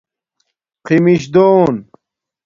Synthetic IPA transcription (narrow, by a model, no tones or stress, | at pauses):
qimiɕd̪oːn